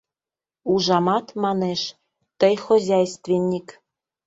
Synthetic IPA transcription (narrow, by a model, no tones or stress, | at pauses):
uʒɑmɑt̪mɑneʃ | t̪əjxozʲæjst̪venʲːik